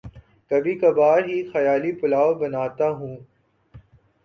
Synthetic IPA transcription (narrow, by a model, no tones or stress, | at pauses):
kɐbʱikɐbaːɾɦixɐjaːlipʊlaːobɐnaːt̪aɦũː